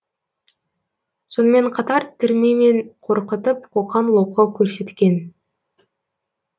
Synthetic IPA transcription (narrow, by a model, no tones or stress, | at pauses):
so̞nəme̞ɴqʰɑt̪ɑɾt̪ʰʏɾmeme̞nqʰo̞ɾqət̪əp̚qʰoqɑnlˠoqəkʲʰɵɾse̞t̪kʲe̞n